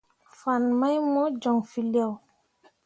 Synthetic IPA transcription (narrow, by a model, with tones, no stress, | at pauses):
fa˨nma˦jmɔ˦d͡ʒɔ˨ŋfi˨li˦a˦˨w